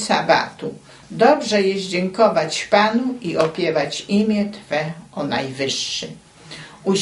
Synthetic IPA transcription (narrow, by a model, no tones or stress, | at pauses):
sa̰ba̰t̪u | d̪ɔbʐɛjɛzd͡ʑɛŋkɔvat͡ɕpanuiʔɔpʲjɛvat͡ɕimʲjɛt̪fɛɔnajvɘʂːɘ | u